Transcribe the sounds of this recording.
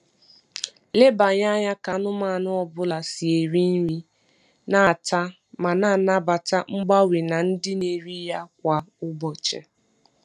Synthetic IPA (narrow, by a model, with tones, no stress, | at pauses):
le˦ba˨ɲa˦ɲa˦ka˨nʊ˦ma˦˨nʊ˦ɔ˨bʊ˦la˨si˨e˨ɾi˦n̩˦ɾi˦ | na˨ta˦ | ma˨na˨na˦ba˨ta˦ŋ͡m̩˦ɡ͡ba˦wi˨na˨n̩˦dɪ˦ne˨ɾi˦ja˦kʷa˨ʊ˦bɔ˨t͡ʃḛ˨